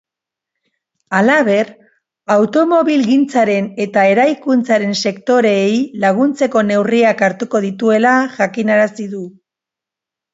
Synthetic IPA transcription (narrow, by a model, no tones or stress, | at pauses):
alaβ̞e̞ɾ | awt̪o̞mo̞βilɣint͡saɾe̞ne̞t̪ae̞ɾajkunt͡saɾe̞nse̞kt̪o̞ɾe̞jlaɣ̞unt͡se̞ko̞ne̞wriakaɾt̪uko̞ðit̪ue̞laʝakinaɾasiðu